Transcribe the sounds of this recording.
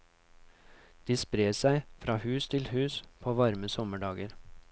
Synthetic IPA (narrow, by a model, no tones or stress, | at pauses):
d̪̥iːspɾeːsæɪfɾɑːhʉːst̪ʰɪlhʉːspʰoːʋɑɾməsɔməɖɑːɡəɾ